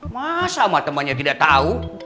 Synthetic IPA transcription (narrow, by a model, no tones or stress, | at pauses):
masamat̪əmanɲat̪idaʔt̪au